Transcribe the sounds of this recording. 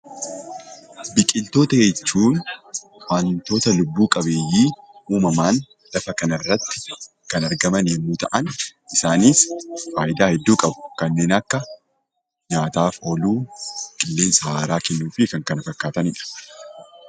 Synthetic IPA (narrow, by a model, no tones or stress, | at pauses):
bɪkʼɪlt̪o̞ːt̪ɐjɛt͡ʃːuːn | waːnt̪o̞ːt̪ɐlʊbːuːkʼɐbe̞ːjiːuːmɐmaːn | lɐfɐkɐnɐrːɐt̪ːɪ̥ | kɐnɐɾɡɐmɐnjɛmːuːt̪ɐʔɐnɪsaːniːsfaːjɪd̪aːhɛd̪ːuːkʼɐbʊ̥kɐnːe̞ːnɐkːɐ | ɲaːt̪aːfoːluːkʼɪlːe̞ːnsɐhaːɾaːkɛnːuːfɪkɐŋkɐnɐfɐkːaːt̪ɐnɪᶑɐ̥